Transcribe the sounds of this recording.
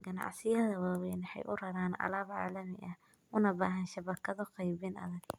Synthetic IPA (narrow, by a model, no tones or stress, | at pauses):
ɡɐnɑ̰ʕsɪjɐðɐwɑːwɛjnɪħɛ̰jʔʊrɐɾaːnʔɐ̰laːβʕa̰ːlɐmɪ̰ʔɐh | ʔʊnɐbaːɦɐnʃɐbɐkʰɐðɔqɑjβɪnɐ̰ðɐɡ̥